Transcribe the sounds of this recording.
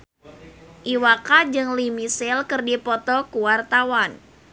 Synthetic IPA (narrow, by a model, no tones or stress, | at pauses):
ʔiwakad͡ʒɨŋlimisɪlkɨrdipɔt̪ɔkuwart̪awan